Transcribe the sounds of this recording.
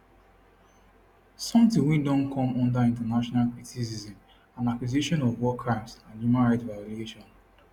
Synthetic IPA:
sɔ̃mtĩwĩdɔ̃nkʰɔ̃mɔ̃ndaĩntanaʃɔnalkitʰisizĩm | ãnakwiziʃɔ̃nɔvwɔkʰɹãɪ̃msãnjumãnɹaɪtvaɾueʃɔ̃n

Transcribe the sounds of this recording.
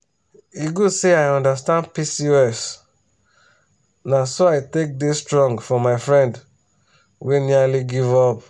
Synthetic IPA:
iɡuseaɪɔ̃ndastãndpisiɛs | nasoaɪtek̚destɹɔ̃ŋɡfɔmaɪfɹɛ̃nd | wenialiɡivɔp

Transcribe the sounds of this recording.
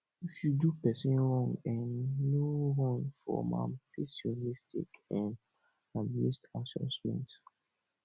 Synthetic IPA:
iʃudupɛsĩnɹɔ̃ŋɡɛ̃nːoɹɔ̃ŋfɔ̰mã̰mpɛsionistḭkãn | amnistãsɔ̰̃smɛ̰̃nt

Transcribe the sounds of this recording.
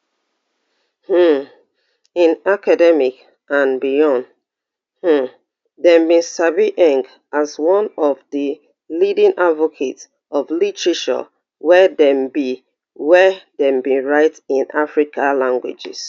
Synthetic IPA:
h̩ | ĩnakadɛmik | ãnbijɔ̃nd | h̩ | dɛ̃mbĩsabiʔɛ̃ŋk | azwɔ̃nɔvdə | lidĩnʔadvokʰets | ʔɔvlitɹiʃɔ̰ | wɛdɛ̃mbi | wɛdɛ̃mbiɹaɪtĩnafɹikʰalãŋɡwḭd͡ʒḭs

